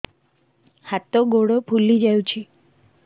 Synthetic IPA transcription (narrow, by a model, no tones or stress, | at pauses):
hat̪oɡoɽopʰulid͡ʒajũt͡ʃʰi